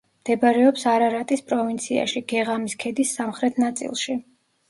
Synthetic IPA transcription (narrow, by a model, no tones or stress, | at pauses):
md̪̥ɛbaɾɛɔpsaɾaɾat̪ʼispʼɾɔvint̪sʰia̰ʃiɡ̥ɛʁamiskʰɛd̪isːamχɾɛt̪ʰnat̪sʼḭlˠʃi